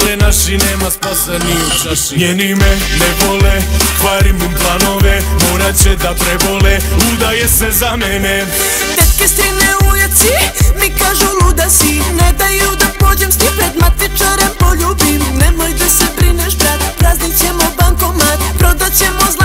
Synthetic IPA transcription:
lenaʃineːmaspasenio | ɲenimenɛbolest̪ʋaɾimumplˠano̞ʋemoːɾat͡ɕed̪apɾɛboleud̪ajesezamɛne | t̪et̪kest̪ineujat̪simikaʒulud̪asined̪ajud̪apod͡ʑemst̪ipɾed̪mat̪it͡ʃaɾempoʎubimnemojt̪asebɾineʃb̪ɾat̪pɾaznit͡ɕemobaŋkomat̪pɾod̪at͡ɕemoz

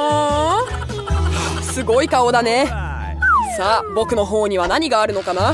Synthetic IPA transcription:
sɨɡo̞ikao̞d̪ane̞ | saːbo̞kɯ̟no̞ɦoːɲ̟iβ̞anaɲ̟iɡaːɾɯ̟no̞kana

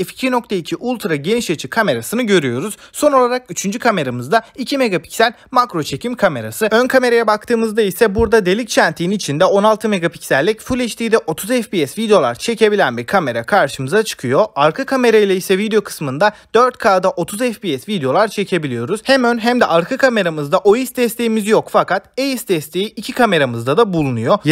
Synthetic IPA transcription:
ɛfi̥cʰinok̚t̪ʰeicʰiʔulˠt̪ʰɾaɟe̞niʃat͡ʃʰikʰame̞ɾasɯnɯɟø̞ɾyjo̞ɾuz̥so̞nolˠaɾakyt͡ʃʰynd͡ʒykʰame̞ɾamɯzd̪aicʰime̞ɡapʰi̥csælʲmakɾo̞t͡ʃʰe̞cʰimkʰame̞ɾa̰sɯønkʰame̞ɾajabak̚t̪ʰɯːmɯzd̪aisɛbuɾd̪ad̪e̞lʲic̚t͡ʃʰænt̪ʰiinit͡ʃʰind̪ɛo̞nalˠt̪ʰɯme̞ɡapi̥csælʲːicfulʲeʃt̪ʰiːd̪ɛʔo̞t̪ʰuzɛfbiɛsvid̪ejo̞lˠaɾt͡ʃʰe̞ce̞bilʲænbiɾkʰame̞ɾakʰaɾʃɯmɯzat͡ʃʰɯ̥kʰɯjo̞aɾkʰɯkʰame̞ɾajlʲɛisɛvid̪eo̞kʰɯ̥smɯnd̪ad̪̥øɾt̪kʰaːd̪aʔo̞t̪ʰuzɛfbiɛsvid̪ejo̞lˠaɾt͡ʃʰe̞cʰe̞bilʲijo̞ɾuz̥hæmønɦæmd̪ɛʔaɾkʰɯkʰame̞ɾamɯzd̪aʔo̞jisd̪ɛst̪ʰe̞jimizjokfakat̪ejisd̪ɛst̪ʰe̞jiʔicʰikʰame̞ɾamɯzd̪ad̪abulˠunujo̞

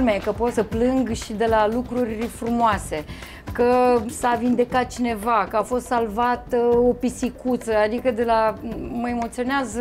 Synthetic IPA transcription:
mejkəpo̞t̪səplɨŋɡʃid̪e̞lalukɾurʲfɾumoase̞ | kəsavind̪e̞kat̪̚t͡ʃine̞vakəafo̞st̪salvat̪o̞pisikut̪səad̪ikəd̪e̞laməe̞mo̞t̪sio̞neaz

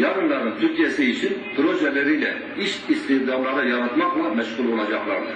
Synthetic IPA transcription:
jɑɾɨnlˠɑɾnɨnt̪ʰyɾkʲʰijɛsɪit͡ʃʰinpʰɾoʒɛlɪɾɪjlɛ̰ | iʃist̪ɪχd̪ɑmlˠɑɾd̪ɑjɑɾɑt̪mɑqlˠɑmɛʃqʊlˠbolˠɑd͡ʒɑqlˠɑɾd̪ɨ

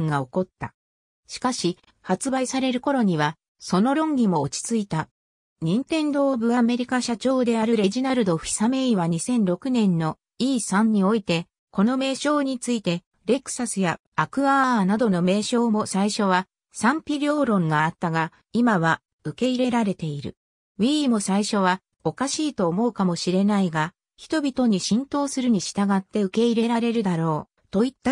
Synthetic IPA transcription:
ŋɡao̞ko̞t̪ːa | ɕi̥kaɕi | hat͡sɨbaisaɾe̞ɾɯ̟ko̞ɾo̞ɲ̟iβa | so̞no̞ɾõ̞ŋɡʲimo̞ːt͡ɕi̥t͡sɨit̪a | ɲ̟ĩnt̪ẽ̞nd̪o̞ːbɯ̟ame̞ɾʲikaɕat͡ɕo̞ːd̪e̞aɾɯ̟ɾe̞ʑinaɾɯ̟d̪o̞ɸi̥same̞iβaɲ̟isẽ̞nɾo̞kɯ̟nẽ̞nːo̞ | iːsãɲ̟ɲːio̞it̪e̞ | ko̞no̞me̞ːɕo̞ːɲ̟it͡sɨit̪e̞ | ɾe̞kɯ̟̥sasɨjaː | kɯ̟aːnad̪o̞no̞me̞ːɕo̞ːmo̞saiɕo̞β̞a | sãmpʲiɾʲo̞ːɾõ̞ŋɡaːt̪ːaɡa | imaβa | ɯ̟ke̞iɾe̞ɾaɾe̞t̪e̞iɾɯ̰ | βʲimo̞saiɕo̞β̞a | o̞kaɕiːt̪o̞ːmo̞ɯ̟kamo̞ɕiɾe̞naiɡa | çi̥t̪o̞bʲit̪o̞ɲ̟iɕĩnt̪o̞ːsɨɾɯ̟ɲ̟iɕi̥t̪aɡat̪ːe̞ɯ̟ke̞iɾe̞ɾaɾe̞ɾɯ̟d̪aɾo̞ː | t̪o̞it̪ːa

